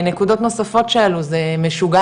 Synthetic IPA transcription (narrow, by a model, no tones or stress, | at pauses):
ne̞kud̪o̞t̪no̞safo̞t̪ʃealuzemeʃuɡa